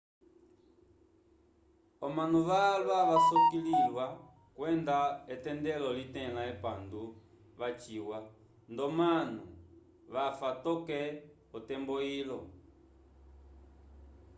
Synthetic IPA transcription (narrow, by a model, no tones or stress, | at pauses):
ɔmanuʋalwaʋasɔkililwa | kwɛndaɛtɛndɛlɔlitɛlaɛpandu | βat͡ʃiwa | ndɔmanu | ʋafatɔkɛ | ɔtɛmbɔilɔ